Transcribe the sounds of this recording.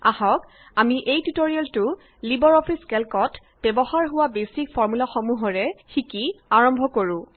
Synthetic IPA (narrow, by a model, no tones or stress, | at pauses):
ahɔk | amiʔejtutoɹialtʊ | libɔɹɔpʰiskɛlkɔt | b̥ɛbɔxaɹɦʊwabesik̚fʰɔɹmulaxɔmuɦɔɹɛxikiaɹɔmbʱɔkoɹʊ̃